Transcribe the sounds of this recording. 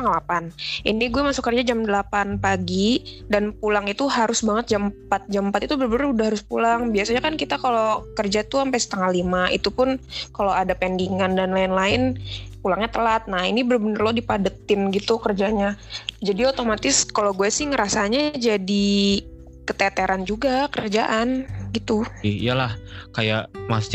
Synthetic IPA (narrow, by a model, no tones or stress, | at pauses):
aŋlapanʔiniɡuɛmasʊkːərd͡ʒad͡ʒamdəlapanpaɡi | danpulaŋit̪uɦaɾʊsbaŋət̪̚d͡ʒampat̪̚d͡ʒaməmpat̪it̪ubəɾbənərudahaɾʊspulaŋbiasaɲakankit̪akalokərd͡ʒat̪uampɛjsə̥t̪aŋalimaʔḭt̪upʊnkaloadapɛndiŋandanlaɪnlaɪnpulaŋɲat̪əlat̪̚nahinibəɾrbənərlodipadət̪ɪnɡit̪ukərd͡ʒaɲad͡ʒadiot̪omat̪ɪskaloɡuɛsɪhŋəɾasaɲad͡ʒadi | kət̪ɛt̪eɾand͡ʒuɡakəɾərd͡ʒaʔanɡit̪uḭjalahkajaʔmas